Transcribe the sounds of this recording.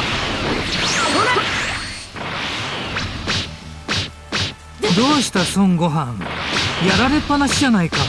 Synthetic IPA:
d̪o̞ːɕi̥t̪asõ̞ŋɡo̞ɦãŋjaɾaɾe̞pːanaɕid͡ʑanaika

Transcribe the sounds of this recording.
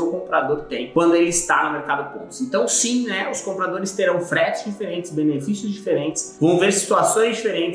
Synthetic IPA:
ewkõmpɾad̪oɾt̪ẽj̃kwɐ̃nd̪ʊelɪist̪a̰nʊmeɾkad̪ʊpõnt̪ʊ̥zẽnt̪ɐ̃w̃sĩnɛʊskõmpɾad̪oɾɪst̪eɾɐ̃w̃fɾɛt͡ʃɪzd͡ʒifeɾẽnt͡ʃɪ̥sbenefisjʊzd͡ʒifeɾẽnt͡ʃɪsvɐ̃w̃veɾsi̥t̪uasõj̃zd͡ʒifeɾẽnt͡ʃɪ

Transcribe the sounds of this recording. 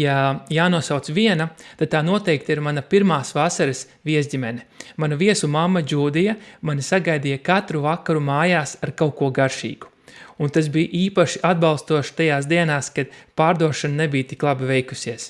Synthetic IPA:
jajaːnuɔsawt̪sviɛnɐt̪ad̪̚t̪aːnuɔt̪ɛjk̚t̪iɾmanapiɾmaːsʋasaɾɪs | viɛzʲdʲimɛnɛmanaviɛsumamːɐd͡ʒuːd̪ijɐmanisaɡajd̪iːjakat̪ɾuvakaɾumaːjaːsaɾkawkuɔɡaɾʃḭːɡu̥ | unt̪asbijʔiːpaʃiʔad̪̚balˠst̪uɔʃt̪ajaːsd̪iɛnaːskad̪̥paːɾd̪uɔʃannebijt̪iklˠabivɛjku̥siɛs

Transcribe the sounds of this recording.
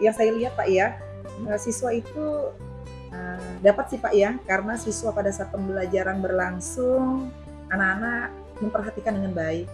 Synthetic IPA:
jaŋsajaliɦat̪̚paʔja | əsiswait̪u | əmdapat̪̚sipaʔjakaɾənasisuwapadasapəmbəlad͡ʒaɾanbərlaŋsʊŋ | anakanak̚ | məmpərɦat̪ikandəŋanbaɪk̚

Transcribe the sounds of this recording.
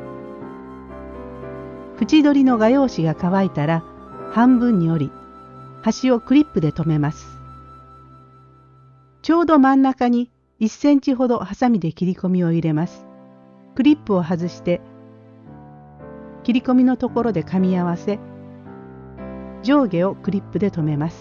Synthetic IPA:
ɸɯ̟t͡ɕid̪o̞ɾʲino̞ɡajo̞ːɕiɡakaβait̪aɾahãmbɯ̟̃ɲ̟ːio̞ɾʲi | haɕio̞kɯ̟ɾʲipːɯ̟d̪e̞t̪o̞me̞masɨ̥ | t͡ɕo̞ːd̪o̞mãnːakaɲ̟i | isːẽ̞ɲ̟t͡ɕiɦo̞d̪o̞hasamʲid̪e̞kʲiɾʲiko̞mʲio̞iɾe̞masɨ̥ | kɯ̟ɾʲipːɯ̟o̞ɦazɨɕi̥t̪e̞ | kʲiɾʲiko̞mʲino̞t̪o̞ko̞ɾo̞d̪e̞kamʲiaβase̞ | d͡ʑo̞ːɡe̞o̞kɯ̟ɾʲipːɯd̪e̞t̪o̞me̞masɨ̥

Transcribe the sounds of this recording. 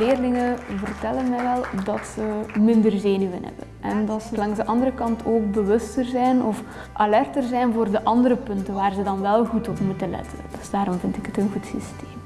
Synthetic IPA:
leːrlɪŋəvərtɛlənmɛjʋɛlˠdɑtsəmɪndərzeːnyə̰nɦɛ̰bə̰nɛndɑtsəlɑŋzdəʔɑndərəkɑntʰoːk̚bəʋɵstərzɛjnɔf | ʔalɛrtərzɛjnvoːrdəʔɑndəɾəpɵntənʋaːrzədɑnʋɛlˠɣutɔpmutəlɛ̰tʰənd̥øzdaːɾɔmvɪntɪ̥kətənɣutsisteːm

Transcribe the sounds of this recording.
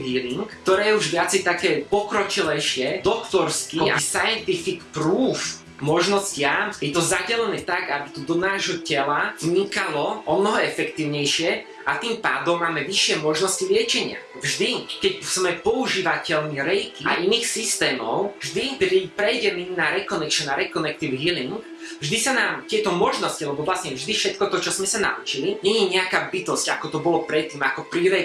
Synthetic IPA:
ɦiːliŋkt̪ɔɾɛːjɛuʒʋɪat͡sɛjt̪akɛːpɔkɾɔt͡ʃilɛjʃɪɛd̪ɔkt̪ɔɾskia̰sajɛnt̪ifikpɾuːf | mɔʒnɔscɪajɛt̪ɔzaɟɛlɛnɛːt̪aɡabit̪ud̪ɔnaːʒɦɔcɛlazɲikalɔʔɔmnɔɦɔɛfɛkt̪iːʊɲɛjʃɪɛ | at̪iːmpa̰ːd̪ɔmːaːmɛʋiʃɪɛmɔʒnɔscilɪɛt͡ʃɛɲɪa̰ | vʒd̪ikɛcsmɛpɔuʒiːʋacɛlniɾɛjt̪ia̰ʔinixsist̪ɛːmɔʊvʒd̪ipɾipɾɛjɟɛminaɾɛkɔnɛkʃnaɾɛkɔnɛk̚t̪iʊɦiliŋɡ | vʒd̪isanaːmt̪ɪɛt̪ɔmɔʒnɔscilɛbɔʋlasɲɛvʒd̪ifʃɛt̪kɔt̪ɔt͡ʃɔzmɛsana̰ʔut͡ʃiliɲɛɲɛɲɛakaːbit̪ɔscakɔt̪ɔbɔlɔpɾɛt̪ːiːmakɔpɾiɾɛ

